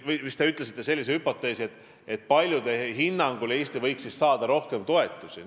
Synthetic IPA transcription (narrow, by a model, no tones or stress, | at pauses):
mist̪e̞yt̪ˑlesit̪ːe̞se̞lʲːis̬ehypːo̞t̪ːe̞ːsiet̪ː | e̞t̪̚ːˑpɑlʲjud̪e̞hinːɑŋɡ̥uleːsʲt̪ivɤjksissɑːd̪̥ɑɾo̞hke̞mt̪o̞e̞t̪ːˑusḭ